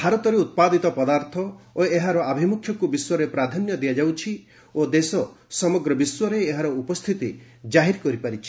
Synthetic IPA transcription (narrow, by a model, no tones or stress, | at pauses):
bʱaɾɔt̪ɔɾeut̪̚pad̪it̪ɔpɔd̪aɾt̪ʰɔoeɦaɾɔʔabʱimukʰjɔkubiswɔɾepɾad̪ʱɔnjɔd̪ijad͡ʒawt͡ʃʰi | od̪esɔ | sɔmɔɡɾɔbiswɔɾeːɦaɾɔupɔst̪ʰit̪i | d͡ʒaɦiɾkɔɾipaɾit͡ʃʰi̥